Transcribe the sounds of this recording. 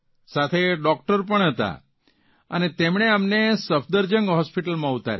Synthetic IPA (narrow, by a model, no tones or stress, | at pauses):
sat̪ʰeɖɔk̚ʈəɾp̬əɳɦət̪a̰ | ə̰net̪emɳ̃eamnesəfʰd̪əɾd͡ʒəŋɡɦɔspiʈəlmãut̪a̰ɾ